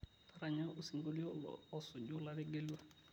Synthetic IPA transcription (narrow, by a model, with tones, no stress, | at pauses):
tʰa˦ɾa˨ɲa˦o˨si˨ŋɡo˦li˦o̰˦ɔ˨sʊ˨d͡ʒʊ˦la˦ɾɪ˦ɡe˦la˦